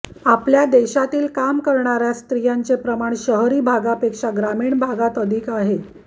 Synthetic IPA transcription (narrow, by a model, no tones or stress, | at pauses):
apljad̪eɕat̪iːlkamkəɾɳaɾjast̪ɾijant͡sepɾəmaɳɕəɦɾiːbʱaɡapekʂaɡɾamiːɳbʱaɡat̪əd̪ʱikaɦe